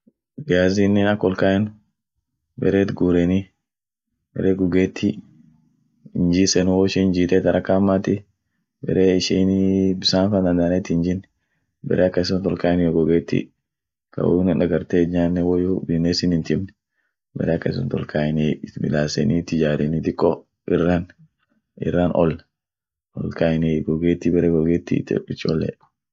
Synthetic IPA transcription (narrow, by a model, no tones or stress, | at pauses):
ɡaːzinːɛnɐkːɔlkaːɛn | bɛ̰ɾeːt̪ɡuːɾɛni | bɛ̰ɾeːɡʊɡeːt̪ːi | ɪnd͡ʒiːsɛnʊwɔʃind͡ʒiːt̪ɛt̪ɐɾʔɐkːaːmːaːt̪ɪ | bɛ̰ɾeːɪʃiːnbɪsaːnfaːnd̪ɐnd̪aːnɛt̪ːɪɪɲd͡ʒɪnːɛ | bɛ̰ɾʔeːɐkːɐɪs̬ʊnt̪ɔlkaːɛnjɔɡʊɡeːt̪ːḭ | kɐ̰wnɪnɐɡɐɾt̪eːɲaːnːɛwɔjobɪneːsɪnɪnt̪ɪmnɛ | bɛ̰ɾeːɐkːɐɪsɔnt̪ɔ̰lkʰaːɪnibɪ̰laːsɛnit̪ːɪd͡ʒaːɾɛnɪt̪ɪkːɔ | ɪrːan | ɪ̰rːanɔ̰l | ɔ̰lkaːɪniɡɔɡeːt̪ːibɛɾeːɡɔɡeːt̪ːḭt̪ːɛ̰ɪt͡ʃːɔlːɛ̰